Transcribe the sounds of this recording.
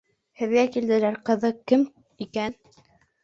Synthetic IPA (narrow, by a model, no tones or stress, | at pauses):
hɘ̆βjækild̪ɘ̆læɾqɤ̆ðɤkɘm | ikæn